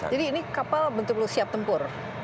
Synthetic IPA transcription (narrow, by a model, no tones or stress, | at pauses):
d͡ʒadiːnikapalbənt̪ʊkəlʊsiap̚t̪əmpʊr